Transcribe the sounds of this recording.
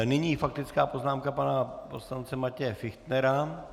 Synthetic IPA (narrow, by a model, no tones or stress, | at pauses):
nɪɲiːfak̚t̪ɪt͡skaːpo̞znaːmkapanapo̞slant͡sɛmacɛjɛfɪxt̪nɛɾa